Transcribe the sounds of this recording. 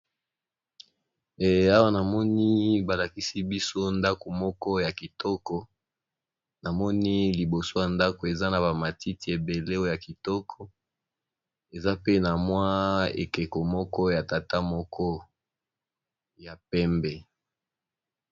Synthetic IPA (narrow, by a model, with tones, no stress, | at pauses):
ɛ˨a˦wa˦na˨mɔ˦ni˦ba˨la˨ki˦si˦bi˦so˦nda˦ko˨mɔ˦kɔ˦ja˨ki˨tɔ˦kɔ˨ | na˨mɔ˦ni˦li˨bo˨so˦ja˨nda˦ko˨e˨za˦na˨ba˨ma˨ti˦ti˨e˨be˨le˦o˦o˨ja˨ki˨tɔ˦kʰɔ˨ | e˨za˦pe˦na˨mwa˦ḛ˨kɛ˨ko˨mɔ˦kɔ˦ja˨ta˨ta˦mɔ˦kʰɔ˦ | ja˨pɛ˦mbɛ˨